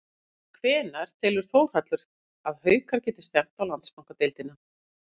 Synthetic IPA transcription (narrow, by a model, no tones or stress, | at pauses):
kʰvɛːnaɾ̥t̪ʰɪlʏɾ̥θoːwɾ̥hat̪lʏɾ̥ | aðhœːɥkaɾcɛːt̪ɪ̥st̪ɛm̥t̪awlant̪skawŋkat̪elt̪ɪna